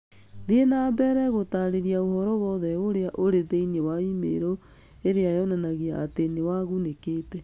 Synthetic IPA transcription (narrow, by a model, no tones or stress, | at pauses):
neenaːbɛɾɛɣotaɾeɾiaohɔɾɔwɔðɛoɾeaʔoɾeðeinewaimḛɾo | eɾeajɔnanaɣiaːtenewaɣunekeːtɛ